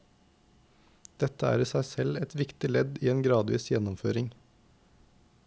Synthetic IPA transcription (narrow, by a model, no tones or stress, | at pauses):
d̪̥ɛt̪əæ̰ːɾiːsæɪsɛlɛt̪ʋɪkt̪ɪlɛd̪iːeːnɡɾɑːd̪ʋḭːsjɛnɔmføːɾɪŋ